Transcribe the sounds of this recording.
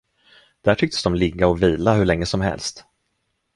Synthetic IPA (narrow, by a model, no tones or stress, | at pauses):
d̪̥æʈʰʏk̚t̪ə̥sd̪ɔmlɪɡːaɔviːlaɦɵɭɛŋːəsɔmɦɛ̰lst̪